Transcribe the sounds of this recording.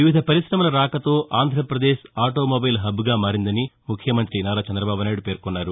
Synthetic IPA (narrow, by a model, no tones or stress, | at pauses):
ʋiʋid̪ʱɐpɐɾisɾɐmɐlɐɾaːkɐt̪o̞ːʔaːnd̪ʱɾɐpɾɐd̪eːʃaːʈo̞ːmobɐjlɦɐbːuɡaːmaːɾind̪ɐnimukʰjɐmɐnt̪ɾinaːɾaːt͡ʃɐnd̪ɾɐbaːbunaːjɽupe̞ːɾkɔnːaːɾu